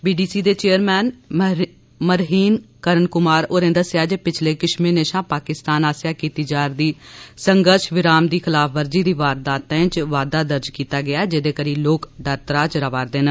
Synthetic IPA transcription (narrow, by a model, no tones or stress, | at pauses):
biːɖiːsiːd̪eːt͡ʃeːəɾmɛːn | məɾɦiːnkəɾənkʊmaːɾoːɾẽnd̪əsjaːd͡ʒeːpɪt͡ʃʰleːkɪʃmẽːneːʃãːpaːkɪst̪aːnaːsjaːkiːt̪iːd͡ʒaːɾd̪iːsəŋɡəɾʃʋɪɾaːmd̪iːkʰɪlaːpʰʋəɾd͡ʒiːd̪iːʋaːɾd̪aːt̪ɛ̃ːɪ̃t͡ʃʋaːd̪aːd̪əɾd͡ʒkiːt̪aːɡɪaːd͡ʒeːd̪eːkəɾiːloːkɖaɾt̪ɾaːt͡ʃɾəʋaːɾd̪eːn